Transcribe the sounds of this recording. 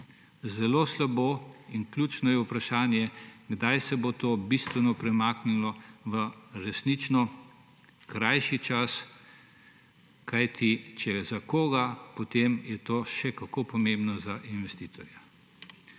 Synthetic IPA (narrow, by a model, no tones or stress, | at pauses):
zɛloːslaboːinklʲjuːt͡ʃnɔjɛupɾaʃaːnjɛɡd̪ajsɛbot̪oːbist̪ʋɛnɔpɾɛmaːknilɔʋəɾɛsnit͡ʃnɔ | kɾajʃit͡ʃas | kajt̪ʰit͡ʃɛzakoːɡapot̪emjɛt̪oːʃɛkakoːpɔmẽmbnɔzaʔinʋɛst̪iːt̪ʰɔɾja